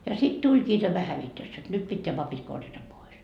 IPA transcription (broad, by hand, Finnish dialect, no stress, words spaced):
jɑ sit tulʲkiː tæmæ hæʋitøs jot nyt pitːeæ pɑpit korjɑtɑ pois